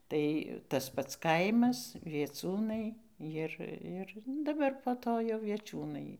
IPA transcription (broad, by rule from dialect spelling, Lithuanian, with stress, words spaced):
ˈtɐɪ tɐs ˈpɐts ˈkɐɪmɐs ʋʲiɛˈt͡sʲuːnɐɪ ˈjɪr ˈɪr nʊ dɐˈbɐr poː ˈtoː jɛʊ ʋʲiɛˈt͡ʃʲuːnɐɪ